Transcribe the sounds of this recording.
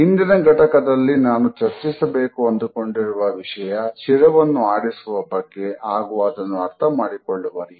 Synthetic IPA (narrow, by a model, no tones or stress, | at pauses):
ind̪inɐɡʱɐʈɐkɐd̪ɐlːinaːnut͡ʃɐɾt͡ʃisɐbeːkuɐnd̪ukoɳɖiɾuʋɐʋiʂɐjɐt͡ʃiɾɐʋɐnːuaːɽisuʋɐbɐɡːe̞aːɡuʋɐːd̪ɐnːuɐɾt̪ʰɐmaːɽikoɭːuʋɐɾi